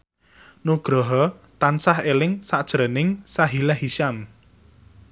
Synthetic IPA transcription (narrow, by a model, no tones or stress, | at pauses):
nuɡ̥ɾɔɦɔt̪ansahelɪŋsaʔd̥ʒ̥ɾənɪŋsaɦilɛɦiʃam